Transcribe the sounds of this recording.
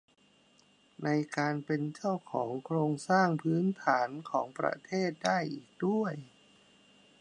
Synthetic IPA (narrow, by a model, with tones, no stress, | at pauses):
na˧jkaː˧npe˧nt͡ɕa˥˩wkʰɔː˩˦ŋkʰɾoː˧ŋsaː˥˩ŋpʰɯː˦˥nt̪ʰaː˩˦nkʰɔː˩˦ŋpɾa̰˧t̪ʰeː˥˩t̪̚daː˥˩jʔiː˨˩k̚du˥˩əj